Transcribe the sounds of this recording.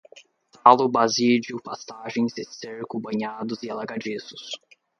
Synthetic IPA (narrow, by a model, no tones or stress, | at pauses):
t̪ʰalʊbazid͡ʒʊpast̪aʒẽj̃zɪseɾkʊbɐ̃ɲad̪ʊzɪalaɡad͡ʒisʊs